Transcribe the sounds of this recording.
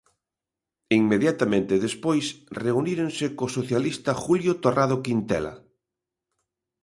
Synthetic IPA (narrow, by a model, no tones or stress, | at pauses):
iŋmeðjat̪amẽnt̪eðespojsreuniɾensekosoθjalist̪axuljot̪oraðokint̪ɛ̰la̰